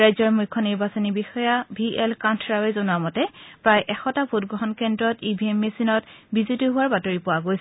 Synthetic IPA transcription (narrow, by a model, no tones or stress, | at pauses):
ɹajzɔɹmujkʰːɔniɹbasɔnibixɔjabʱiɛlkantʰɹawɛzonuwamɔtɛpɹajʔɛxɔtabʱut̚ɡɹɔɦɔnkɛndɹɔtibʱiemːesinɔtbizutiɦʊwaɹbatoɹipʊwaɡojsɛ